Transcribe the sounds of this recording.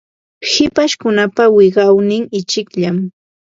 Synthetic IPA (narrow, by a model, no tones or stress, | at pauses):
hɪpaʃkʊnapawɪɢɑwnɪŋɪt͡ʃɪkʎam